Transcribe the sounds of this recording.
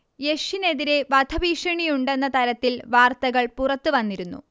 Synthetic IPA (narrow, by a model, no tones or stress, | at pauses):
je̞ʂine̞ðiɾe̞ʋɐd̪ʰʱɐʋiːʂɐɳijuɳɖe̞nːɐt̪ɐɾɐt̪ːilʋaːrt̪ɐɣɐɭpurɐt̪ːuʋɐnːiɾunːṵ